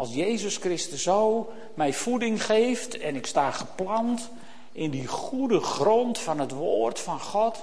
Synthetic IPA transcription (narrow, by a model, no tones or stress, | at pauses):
ɑlˠsjejzəskrɪstəsoː | mɛjfudɪŋχeːftɛnɪkstaːχəplɑnt | ʔɪndiχudəχrɔntfɔnɦətʋoːrtfɑnχɔt